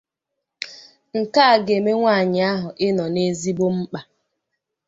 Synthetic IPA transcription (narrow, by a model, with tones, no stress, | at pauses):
ŋ̩˨ka˦a˨ɡe˨me˦ŋʷa˦˨ɲɪ˨a˦ɦʊ˨ʔɪ˦nɔ˨ne˦zi˦bo˦m̩˦k͡pa˨